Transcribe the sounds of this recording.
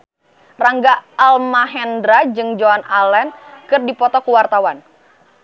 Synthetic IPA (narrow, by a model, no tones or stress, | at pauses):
raŋɡaːlmaɦɛndɾad͡ʒɨŋd͡ʒoanalɛnkɨrdipɔt̪ɔkuwart̪awan